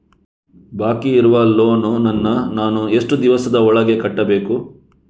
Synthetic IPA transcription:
baːkiːɾuʋɐloːnunɐnːɐnaːnue̞ʂʈud̪iʋɐsɐd̪ɐɔɭɐɡe̞kɐʈːɐbe̞ːku

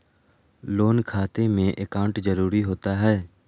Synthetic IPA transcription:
loːnkʰaːt̪emẽʔekaːʊ̃ɳʈzɐɾuːɾiɦoːt̪aɦɛː

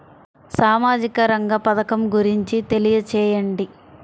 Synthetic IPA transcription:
saːmaːd͡ʒikɐɾɐŋɡɐpɐd̪ɐkɐmɡuɾiɲt͡ʃit̪e̞lijɐt͡ʃɛːjɐɳɖi

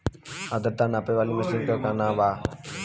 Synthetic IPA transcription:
ad̪əɾt̪aːnapeʋaːliːməsiŋkəkanãːʋaː

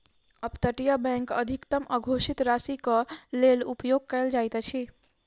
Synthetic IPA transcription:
əpt̪əʈijəbɛ̃ŋkə̰d̪ʱikt̪əməɡʱoʃit̪ɾasikəlelupjoɡ̚kəjld͡ʒajt̪t͡ʃʰi

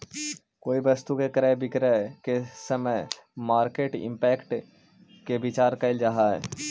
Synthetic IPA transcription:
koːibɐst̪ukekɐɾəbʱɪkɾekesɐməjmaːɾkeːʈɪ̰̃mpɛːkʈ | kebɪt͡ʃaːɾkaɪld͡ʒaːɦaɦɛ̰ː

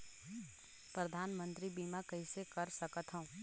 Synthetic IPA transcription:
pɾɐd̪ʱaːnmə̃nt̪ɾibiːmakɐɦisekəɾsɐkət̪ɦõ

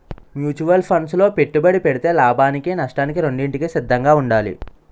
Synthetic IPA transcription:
mjuːt͡ʃuʋɐlpʰɐnslo̞ːpe̞ʈːubɐɽipeɽit̪e̞ːlaːbʱaːnikinɐʂʈaːnikiɾo̞ɳɖiɳʈikisid̪ʱːɐŋɡaːuɳɖaːlḭ

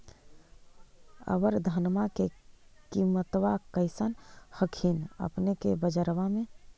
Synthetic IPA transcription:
ə̰ʋəɾd̪ʱənmakekimət̪ʋakəɪsənhəkʰinə̰pnekebəd͡ʒəɾʋamẽ

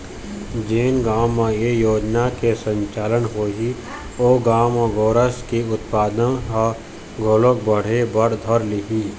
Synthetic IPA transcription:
d͡ʒeːnɡaːmːãjejoːd͡ʒnakesə̃ɲt͡ʃaːlənɦoːɦi | oːɡaːmãɡoːɾəskiʊt̪paːd̪əa | ɡoːlok̚bəɽ̤ebəɾd̪ʱəɾliɦi

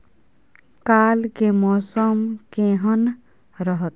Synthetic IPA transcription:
kalkemɔsʌmkẽɦʌn | ɾʌɦʌt̪̚

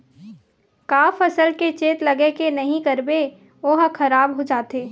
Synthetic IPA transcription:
kaːfɐsəlket͡ʃeːt̪lɐɡekenɐɦĩkɐɾbe | oːɦkʰɐɾaːbɦod͡ʒaːt̪eː

